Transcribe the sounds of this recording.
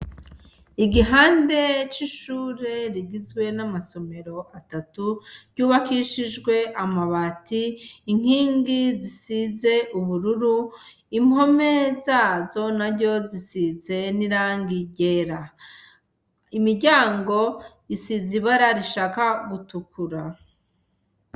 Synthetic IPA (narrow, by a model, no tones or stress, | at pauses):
iɡiɦaːnde̞t͡ʃiʃuːɾe̞ɾiɡizɡwe̞namaso̞me̞ɾo̞atatuɾɟuːβakiʃiʒɡwe̞ʔamaβatiːŋ̥hiːŋɡizisize̞ʔuβuɾuɾu | im̥ho̞me̞zaːzo̞naɾɟo̞zisize̞niɾaːŋɡiɟe̞ɾa | imiɾɟaːŋɡo̞ | isiziβaɾaɾiʃaːkaɡutukuɾa